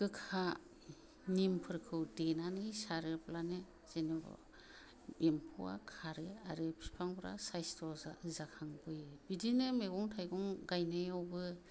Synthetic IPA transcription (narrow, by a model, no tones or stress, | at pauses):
ɡɯkʰa | nimpʰɯɾkʰɯwdenanɯjsaɾɯplanɯ | z̥enɯbɔ̰ | empʰuwa̰kʰaɾɯa̰ɾɯpʰi̥spʰaŋbɾa̰sajstɔzakʰaŋbɯjbidinɯmeɡɔŋtʰajɡɔŋɡajnɯjawbɯ